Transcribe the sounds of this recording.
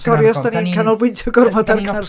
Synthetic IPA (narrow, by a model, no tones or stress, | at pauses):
sɔɾjɔstaninkʰanɔlˠwɪntʰɔɡɔrmɔdarkʰanr